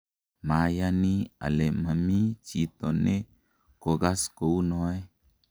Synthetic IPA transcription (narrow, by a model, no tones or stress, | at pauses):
majania̰lemamit͡ʃit̪one | koɡaskounoe